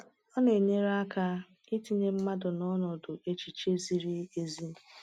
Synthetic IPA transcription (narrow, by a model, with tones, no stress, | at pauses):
ɔ˦ne˨ɲe˦ɾa˦ka˦ | i˦ti˦ɲe˦m̩˦ma˦dʊ˨nɔ˦nɔ˨dʊ˨ʔe˦t͡ʃi˨t͡ʃe˦zi˦ɾi˦e˨zi˦